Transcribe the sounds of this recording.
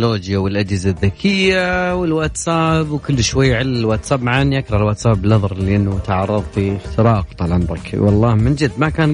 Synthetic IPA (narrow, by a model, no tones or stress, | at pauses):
loːd͡ʒjawɪlʔad͡ʒhɪzaðːakʰɪjːawɪlwat̪saːbwkʊlːʃwajːʕɪlːɪlwat̪sabʕanjakɾˤɑʕɪlwaːt̪saːbːɪlnɑðˤɑɾˤliʔɪnːʊt̪aʕɑrˤːɑðˤfit̪ɾˤɑːqt̪ˤɑlʔamɾˤɪ̰kwɑlˤːɑːhmɪnd͡ʒɪd̪ːmakaːn